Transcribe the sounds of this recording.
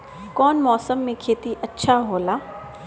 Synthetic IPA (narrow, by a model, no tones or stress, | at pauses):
kɔːnmɔːsəmːẽkʰeːt̪iʔɐtːʃʰaɦoːlaː